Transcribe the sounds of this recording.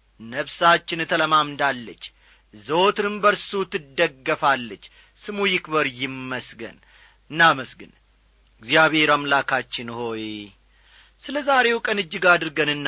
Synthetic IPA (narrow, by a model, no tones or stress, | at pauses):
nəβsat͡ʃːɪnt̪ʰələmamd̪alːət͡ʃː | zoot̪ɨnɨmbəɾsut̪ʰɨd̪ːəɡːəfalːət͡ʃː | sɨmujɪkbəɾjɪmːəsɡə̰n | ɨnːaməsɡɨ̰n | ɡzjaβhe̞ɾamlakʰat͡ʃːɪnho̞j | sɨləzaɾe̞wkʼənɨd͡ʒːɪɡad̪ɨɾɡənɨnː